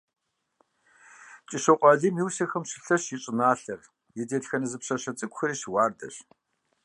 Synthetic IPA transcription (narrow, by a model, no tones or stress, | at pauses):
t͡ʃʼɪɕɐqʷʼɑɮiːmjiwsɐxɐmɕɪ̥ɬɐɕjɪɕʼɪnaːɬɐr | jɛdeːɮxɐnɐzɨpɕɐɕɐt͡sʼɨkʷxɨriɕwɑːrdɐ̰ɕ